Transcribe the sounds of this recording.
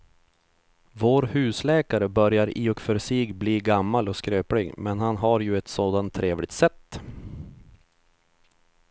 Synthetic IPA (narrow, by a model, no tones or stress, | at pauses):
voːɾhʉ̟ːslɛːkaɾəbœɾjaɾiːɔkfœɾsiːɡbliːɡamːalɔskɾøːpɽɪɡmɛnhanɦaɾjɵɛt̪soːd̪ant̪ʰːɾeːvlɪɡ̚t̪sɛt̪ː